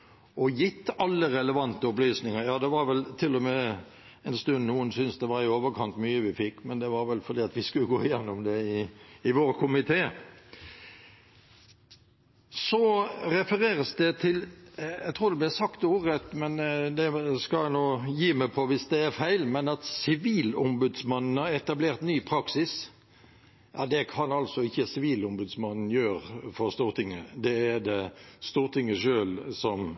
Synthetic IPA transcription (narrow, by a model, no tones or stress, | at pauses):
ɔjɪt̪ːɑlːəɾɛləʋɑnt̪əʊplyːsnɪŋəɾjɑːd̪ɛʋɑɾʋɛlt̪ʰɪlːɔmɛ | ɛɪnst̪ʉnnuːənsʏnsd̪ɛʋɑɾɪoːʋəɾkʰɑnt̪myːəʋɪfɪkːmɛnd̪ɛʋɑɾʋɛlfɔɾd̪iːɑt̪ʋɪskʉləɡoːɪjɛnːʊmd̪ɛɪɪʋoɾkʰʊmɪt̪ʰeː | sɔɾɛfəɾeːɾəsd̪ɛt̪ʰɪlɛɡt̪ʰʁuːɾd̪ɛblɛsɑkt̪uːʁət̪mɛnd̪ɛskɑlænoːjiːmæpʰɔʋɪsd̪ɛːɾfæɪlmɛnɑt̪sɪʋiːlʊmbʉd̪smɑnn̩hɑɾɛt̪ɑbleːʁt̪nyːpʰɾɑksɪs | jɑ̰ːd̪ɛkʰɑnɑlsɔɪçːəsɪʋiːlʊmbʉd̪smɑnn̩jøːɾfɔɾst̪uːʁt̪ʰɪŋːəd̪ɛæd̪ɛst̪uːʁt̪ʰɪŋːəʂøːlsɔm